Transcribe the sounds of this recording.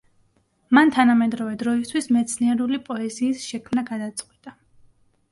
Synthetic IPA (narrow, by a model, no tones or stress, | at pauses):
mant̪ʰanamɛd̪ɾɔvɛd̪ɾɔist̪ʰwismɛt̪sʰniɛɾulipʼɔɛziːsʃɛkʰmnaɡad̪at̪sʼqʼwit̪ʼa